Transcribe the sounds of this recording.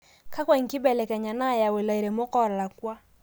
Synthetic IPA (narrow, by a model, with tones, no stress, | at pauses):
ka˦kwɛ˦˨ŋ̩˨ki˦bɛ˨lɛ˨kɛ˨ɲa˨na˦˨ja˨we˨la˨i˨ɾɛ˨mo˦kɔ˦˨ɾla˨kwa˦